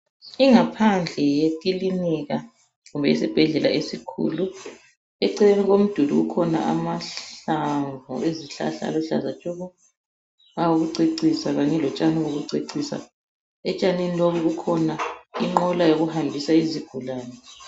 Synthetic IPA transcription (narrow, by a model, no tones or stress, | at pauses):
iŋapʰand͡ɮʱɛjetʼiliniɣa | ɣumbʱɛisib̥ʱɛɮɛlaesikʰṵlu | ɛǀɛleniɣom̩d̥ʱudṵɣukʰɔna̰ʔa̰maɬaɱvṵeziɬa̰ɬa̰ːlɔɬa̰zat͡ʃʼuɣɔ | awuɣuǀeǀisaɣaɲɛlɔt͡ʃʼaniɣoɣuǀeǀisa̰ | ɛt͡ʃʼaniniloβuɣukʰɔnaiŋ͡ǃɔlajoɣuhambʱisaiziɡ̥ʱulaːnɛ